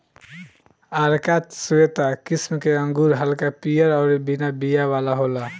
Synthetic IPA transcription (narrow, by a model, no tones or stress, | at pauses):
aɾkat̪suet̪akismkeə̃ŋɡuɾɦəlkapijəɾɔʊɾbinabijaʋalaɦola